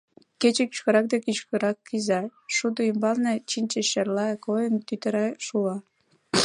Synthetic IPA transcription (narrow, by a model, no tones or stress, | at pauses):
ket͡ɕeky̥t͡ɕkə̆ɾɑk̚d̪ekyt͡ɕkə̆ɾɑkːizɑʃud̪oymbɑlnet͡ɕinʲt͡ɕeʃerlɑkojənt̪yt̪ə̆ɾɑʃuɑ